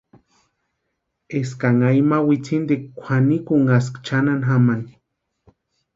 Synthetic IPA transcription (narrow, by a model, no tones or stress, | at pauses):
eskaŋajmawit͡sind̪ikkʷʰanikuŋas̬kt͡ʃananɦamani